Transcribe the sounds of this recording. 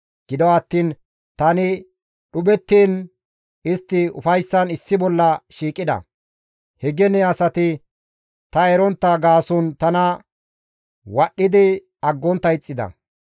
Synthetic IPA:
ɡ̥ɪd̪ɔwɐt̪ːiːn | t̪ɐnɪ | ɗʊbɛt̪ːiːn | ɪst̪ːɪʊ̰fɐjsːɐnɪsːɪbɔlːɐʃiːkʼːɪd̪ɐ̰ | hɛɡɛnɛɐsɐt̪ɪ | t̪ɐɛɾɔnt̪ːɐɡaːsʊnt̪ɐnɐ | wɐɗːɪd̪ɪ | ɐɡːɔnt̪ːɐɪt͡sʼːɪd̪ɐ̰

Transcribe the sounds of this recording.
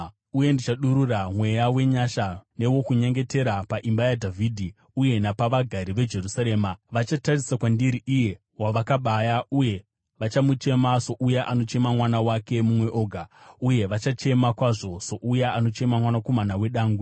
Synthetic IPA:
uje̞ndit͡ʃaɗuɾuramwe̞jawe̞ɲaʃane̞wo̞kuɲe̞ŋɡe̞te̞ɾapaʔimbajadʱavʱidʱi | uje̞napaʋaɡʱaɾiʋe̞d͡ʒe̞rusaɾe̞ːmaʋat͡ʃatarisakwandiɾiʔije̞ | waʋakaɓajauje̞ | ʋat͡ʃamut͡ʃe̞maso̞ʔujaʔano̞t͡ʃe̞mamwanawake̞mumwe̞ʔo̞ːɡʱauje̞ʋat͡ʃat͡ʃe̞makwaʐo̞so̞ʔujaano̞t͡ʃe̞mamwanako̞manawe̞ɗaːŋɡu

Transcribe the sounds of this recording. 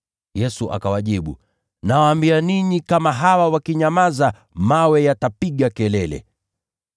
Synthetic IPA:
jɛsuʔa̰kawaʄiɓṵ | nawaːmbianiɲikamaɦawawakiɲamaza | mawɛjatapiɠakɛlɛlɛ̰

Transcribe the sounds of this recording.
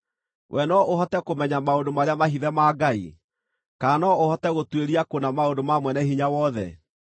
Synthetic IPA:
wʔɛnɔohɔtɛkomɛɲamaondomaɾeamahiðɛmaːɡaḭ | kaːnɔohɔtɛɣotweɾiakonamaondomamwɛnɛɦiɲawɔðɛ̰

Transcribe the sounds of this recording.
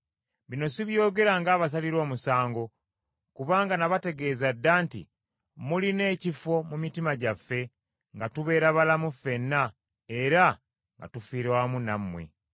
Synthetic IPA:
βino̞siβjo̞ːɡe̞ɾaŋɡaːβas̬aliɾo̞ːmusaːŋɡo̞ | kuβaːŋɡanaβate̞ɡe̞ːzadːaːntḭ | muline̞ːcifo̞mumitimaɟafːe̞ | ŋɡatuβe̞ːɾaβalamufːe̞nːa | e̞ɾa | ŋɡa̰tufiːɾewamunamːwe̞̰

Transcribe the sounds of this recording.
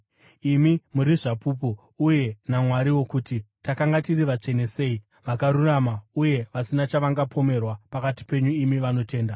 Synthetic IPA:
imimuɾiʐapuːp̬o | uje̞namwaɾiwo̞kuːtitakaŋɡatiriʋat͡ʂe̞nese̞i | ʋakaɾuramauje̞ʋasinat͡ʃaʋaŋɡapʰo̞me̞rwapakati̥pe̞ɲuimiʋano̞te̞ːnda

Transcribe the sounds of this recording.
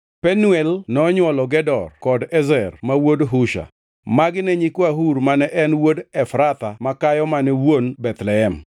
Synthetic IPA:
pɛnuɛlnɔɲwɔlɔɡɛdɔrkɔdɛzɛrmawodɦuʃa̰ | maɡɪnɛɲikwaɦuɾmanɛʔɛnwodɛfɾat̪amakajɔmanɛwonbɛt̪lɛɛm

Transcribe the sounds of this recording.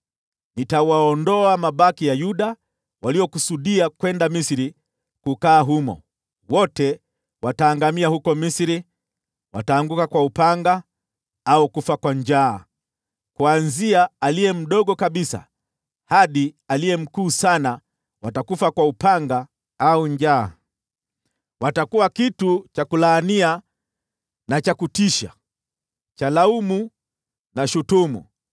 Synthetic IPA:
nitawaɔndɔamaɓakijajuɗa | waliɔkusuɗiakwɛndamisiɾi | kukaːɦumɔ̰ | wɔtɛ | wataːŋɡamiahukɔmisɾi | wa̰taːŋɡukakwaupaŋɡa | aukufakwaɲd͡ʒaː | kwanziaalijɛm̩ɗɔɠɔkaɓisa̰ | haɗialijɛm̩kuːsana | watakufakwaupaŋɡa | auɲd͡ʒaː | watakuwakitut͡ʃakulaːnia | nat͡ʃakutiʃa̰ | t͡ʃalaumu | naʃutumṵ

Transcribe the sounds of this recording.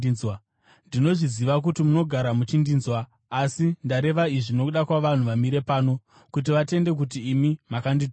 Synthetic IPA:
ndino̞ʐiziʋak̬utimuno̞ɡʱaɾamut͡ʃindiːnzwaː | sindaɾe̞ʋaiʐino̞uɗakwaʋan̤uʋamiɾe̞paːno̞ | kut̬iʋate̞nde̞k̬utiːmimakandi

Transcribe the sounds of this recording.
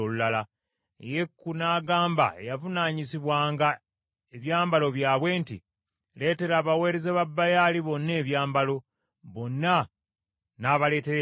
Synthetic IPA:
olulala | ḛje̞kːunaːɡaːmba̰ḛjavunaːɲisiβwaːŋɡa | eβjaːmbalo̞βjaːβwe̞ːntḭ | le̞ːte̞ɾaːβawe̞ːɾezeβabːajaliβo̞nːe̞ːβjaːmbalo̞ | βonːa | naːβale̞ːteɾe

